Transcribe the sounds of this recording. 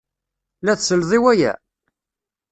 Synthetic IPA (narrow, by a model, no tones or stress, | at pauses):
læθsəlðˤiwæjæ̰